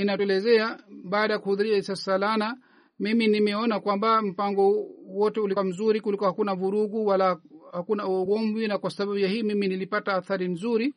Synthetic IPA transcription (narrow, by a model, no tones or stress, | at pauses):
inatɛlɛzɛaɓaːɗajakuhuðuɾiaɛsasalana | miminimɛɔnakwambam̩paŋɡɔwɔtɛuliam̩zuɾikulikɔhakunavuɾuɡuwalahakunauɔɡɔɱvinakwasaɓaɓujahiːmiminilipataːθaɾinzuɾi